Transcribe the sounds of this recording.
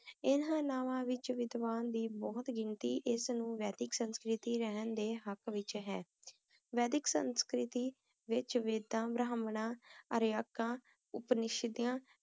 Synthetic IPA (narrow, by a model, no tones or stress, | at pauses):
ɪnãːnaːʋãːʋɪt͡ʃʋɪd̪ʋaːnd̪iːbɔːt̪ɡɪɳt̪iːʔɪsnũːʋɛːd̪ɪksənskɾɪt̪iːɾəɦənd̪eːɦəkʋɪt͡ʃɦɛː | ʋɛːd̪ɪksə̰nskɾɪt̪iː | ʋɪt͡ʃʋɪd̪ãːbɾaːmnãːəɾjaːkãː | ʊpnɪʃd̪ijãː